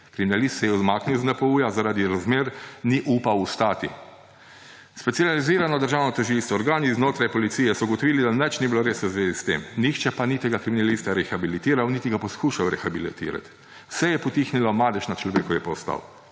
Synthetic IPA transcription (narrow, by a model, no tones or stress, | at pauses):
kɾiminalist̪sɛjɛuzmaːkniwznɛpɔuːjazaɾaːd̪iɾazmeːɾniʔupawust̪aːt̪ḭ | spɛt̪sializiːɾanɔd̪əɾʒaːwnɔt̪əʒilst̪ʋɔːɾɡaːniznoːt̪ɾajpɔlit̪siːjɛsɔɡɔt̪ɔʋiːlid̪anɛt͡ʃnibiloɾeːszʋeːzist̪ḛmnixt͡ʃɛpanit̪ɛɡakɾiminalist̪aɾɛxabilit̪iːɾawnit̪iɡapɔskuːʃawɾɛxabilit̪ḭːɾa̰t̪ | w̥sɛjɛpɔt̪iːxnilɔmaːd̪ɛʃnat͡ʃlɔʋeːkɔʋjipɔst̪a̰w